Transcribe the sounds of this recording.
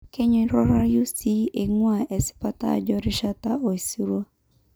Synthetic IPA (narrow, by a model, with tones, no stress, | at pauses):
ke˦ɲʊ˨˦ɾɔ˦ɾa˦ju˦si˦e˨ŋwa˨e˨sɪ̥˦pa˦ta̰˦˨d͡ʒɔ˦ɾɪ˦ʃa˦ta˦ʔo˨i˨si˦ɾwa˦